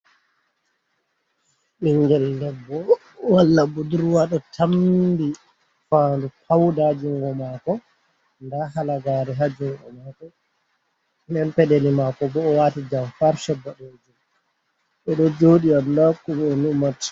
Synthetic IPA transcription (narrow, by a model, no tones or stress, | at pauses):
ɗɛɲɡɛllɛbːɔ | walːabuduɾuwaɗɔtʰambi | faːndupʰawdad͡ʒuŋɡɔmakɔ | ndahalaɡaːɾɛɦad͡ʒuŋɡɔ̰maːkɔ | nɛnpɛɗelimakɔbɔːwatid͡ʒamfaɾʃɛbːaɗod͡ʒum | ɓɛɗɔd͡ʒoːɗiandakumnumat